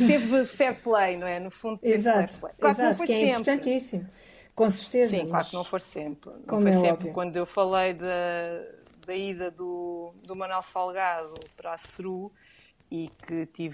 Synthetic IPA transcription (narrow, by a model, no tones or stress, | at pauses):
evsɛt̪̚plˠɐjnɐ̃w̃ɛnufũnd̪uizatɛt̪uplˠɐ̰jlˠɾzãt̪fokɛimepmɾt̪ɐ̃nt̪isimu | kõsɨɾt̪eziɐ̃klˠaɾknɐ̃w̃foɾsẽmpɾkomoɛsẽɔbpvɾiukwɐ̃nd̪uewfɐlˠɐjðɐ | d̪ɐiðɐðud̪umɐnwɛlˠsalˠɣaðupɾasɨɾu | ikɨt̪iv